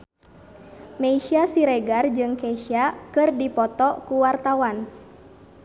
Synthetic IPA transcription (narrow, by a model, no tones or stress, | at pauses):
meiʃiasiɾɛɡard͡ʒɨŋkɛʃiakɨrdipɔt̪ɔkuwart̪awan